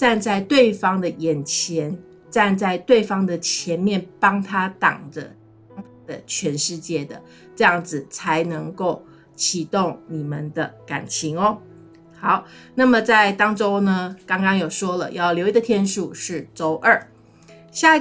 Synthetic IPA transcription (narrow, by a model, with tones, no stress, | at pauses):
ʈ͡ʂa˥˧nt͡sa˥˧ɪt̪we˥˩ɪfɑ˥ŋd̪ə˨jɛ˨˩nt͡ɕʰjɛ˧˥n | ʈ͡ʂa˥˧nt͡sa˥˧ɪt̪we˥˩ɪfɑ˥ŋd̪ə˨t͡ɕʰjɛ˧˥nmjɛ˥˩npɑ˥ŋt̪ʰa˥t̪ɑ̰˨˩ŋdə̰˦˥ | ŋt̪ʰa˥d̪ə˨t͡ɕʰɥɛ˧˥nʂɻ̩˥˧t͡ɕjɛ˥˩d̪ə̰˩ | ʈ͡ʂɤ˥˧jɑ˥˩ŋd͡zɹ̩˨˩t͡sʰa˧˥ɪnɤ˧˥ŋko˥˩ʊ | t͡ɕʰi˨˩t̪o˥˩ŋni˨˩mə˨nd̪ə˦ka̰˨˩nt͡ɕʰi˧˥ŋɔ˧˦ | xɑ˨˩˦ʊna˥˩mə˨˩t͡sa˥˩ɪt̪ɑ˥ŋʈ͡ʂo˥ʊnə˧kɑ˥ŋkɑ˥ŋjo˨˩ʊʂwɔ˥lə̰˨jɑ˥˩ʊljo˧ʊi˧˥d̪ə˨˩t̪ʰjɛ˥nʂu˨˩ʂɻ̩˥˩ʈ͡ʂo˥ʊʔə˥˩ | ɕja˥˧